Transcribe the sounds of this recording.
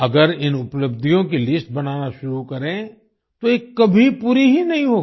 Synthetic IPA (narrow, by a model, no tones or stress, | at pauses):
ɐɡəɾɪnʊpləb̚d̪ʱijõkilɪsʈ̚bɐnaːnaʃʊɾukɐɾẽ | t̪oeːkːɐbʱipuːɾiɦinɐɦĩɦoːɡi